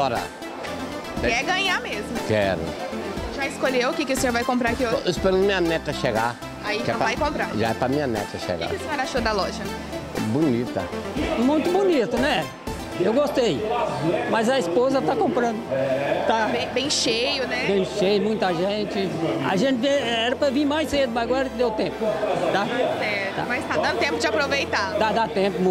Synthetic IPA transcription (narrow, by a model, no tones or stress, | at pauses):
ɔɾɐ̰ | kɛɡɐ̃ɲamezmʊkɛɾʊ̰ʒaɪskoʎewʊkekɪʊsẽɲoɾvajkõmpɾaɾkoespɛɾ̃mĩɲɐnɛt̪ɐʃeɡa | aikɛ̃vajkõmpɾaɾʒa̰ɛpɾɐmĩɲɐnɛ̰t̪ɐʃḛɡa̰sẽɛɾaʃod̪ɐlɔʒɐɛ | bunit̪ɐ̰mũj̃t̪ʊbunit̪ʊnɛ | ewɡost̪ej | mɐzɐispozɐt̪akõmpɾɐ̃nd̪ʊt̪abẽj̃bẽj̃ʃejʊnɛbẽj̃ʃejɐmũj̃t̪ɐʒẽnt͡ʃɪa̰ʒẽnt͡ʃ̪ẽɛɾɐpɾɐvĩɾmajsed̪ʊmɐzɡwaɾɐkɪd̪ewt̪ẽpʊd̪aɛt̪a̰majst̪ad̪ɐ̃nd̪ʊt̪ẽmpʊd͡ʒɪapɾovejt̪ad̪ad̪at̪ẽpʊm̃